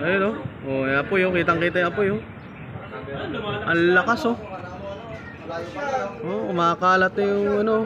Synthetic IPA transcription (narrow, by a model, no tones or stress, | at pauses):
ʔɐjonoʔoɐpojokiːt̪ɐŋkiːt̪ɐjʔɐpojo | ʔɐnlːɐkaso | ʔoʊmaːkaːlɐt̪̚ːjʊŋɐno